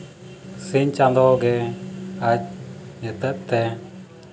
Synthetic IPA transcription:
siɲt͡ʃãnd̪ɔɡɛ | ac̚ɲət̪əʔ̚t̪ɛ

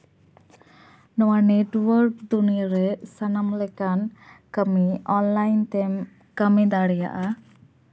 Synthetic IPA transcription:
nɔwaneʈwəɾk̚d̪unijaɾɛsanamlɛkankəmiɔnlajnt̪ɛm | kəmid̪aɽɛja̰ʔa

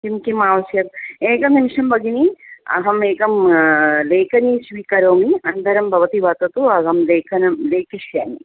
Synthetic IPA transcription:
kimkimaːʋɐsjɐt̚eːkɐmnimiʂɐmbɐɡiniɐ̰ɦɐmeːkɐmleːkɐniːsʋikɐɾoːmiɐnd̪ʱɐɾɐmbʱɐʋɐt̪iʋat̪ɐt̪uɐɡɐmleːkʰɐnɐmleːkiʃjaːmi

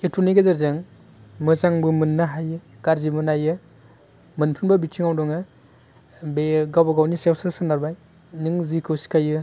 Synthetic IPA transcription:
etʰuniɡazaɾzɯŋ | mɯzaŋbɯmɯnːaɦajɯ | ɡ̥aɾzimɯnajɯ | mɯnpʰɯnbɯbitʰiŋawdɔŋɯ | beɡawbaɡawnisewsɯsɯnaɾbaj | nɯŋzikʰɯwsi̥kʰajɯ

